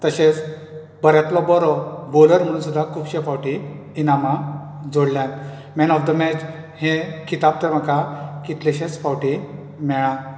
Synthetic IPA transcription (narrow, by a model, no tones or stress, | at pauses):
t̪əɕet͡s | bəɾjat̪lɔbɔɾɔboləɾm̤əɽ̃uːnsud̪ʱːakʰuːbɕefawʈiː | namad͡zoɽljãn | mɛnɔfd̪əmɛt͡ɕ | hẽkit̪ab̚t̪əɾm̤əkʰakit̪leɕẽt͡sfawʈi | mɛɭãn